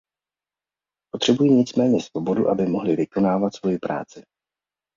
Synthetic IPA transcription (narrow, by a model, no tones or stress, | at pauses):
po̞t̪r̝̥ɛbujiɲɪt͡smɛːɲɛsv̥o̞bo̞duʔabɪmo̞ɦlɪvɪko̞naːvat̪svo̞jɪpɾa̰ːt͡sɪ